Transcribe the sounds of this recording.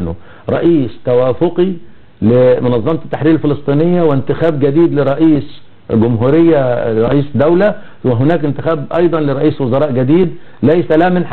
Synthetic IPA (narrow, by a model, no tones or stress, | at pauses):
nʊ | ɾˤɑ̰ʔiːst̪awæːfʊqi | lɪmʊnɑðˤːɑmt̪t̪ːaħɾiːɾlfɪlɨsˤt̪ˤiːnɪjːawɪnt̪ɪxæːb̚ɡad̪iːd̪lɪɾˤɑʔiːs | ɡʊmɦuːɾɪjːaɾˤɑʔiːsd̪awla | wɪɦʊnæːkʔɪnt̪ɪxæːbʔɑjd̪ˤɑnlɪɾˤɑʔiːswʊzɑɾˤɑːʔɡad̪iːd̪ | læjsalæːmɪnħ